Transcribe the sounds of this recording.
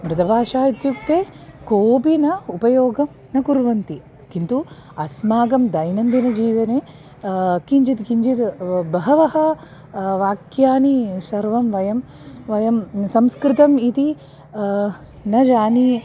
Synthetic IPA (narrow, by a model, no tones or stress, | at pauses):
mɾɪt̪ɐbʱaːʂaːit̪juk̚t̪eːkoːpinɐupɐjoːɡɐm | nɐkuɾʋɐnt̪i | kint̪u | ɐsmaːɡɐmd̪ɐjnɐnd̪inɐd͡ʒiːʋɐneː | kiɲd͡ʒit̪kiɲd͡ʒit̪bɐɦɐʋɐɦɐ̆ | ʋaːkjaːnisɐɾʋɐmʋɐjɐm | ʋɐjɐmsɐmskɾɪt̪ɐmit̪i | nɐd͡ʒaːni